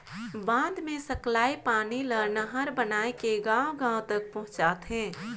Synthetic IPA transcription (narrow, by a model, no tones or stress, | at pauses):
bãːnd̪mẽsəklaːipaːniləɾnəɦəɾbənaːekeɡãːwɡãːw̃t̪ək̚pɐɦʊ̃t͡ʃaːt̪ɦɛ̃ː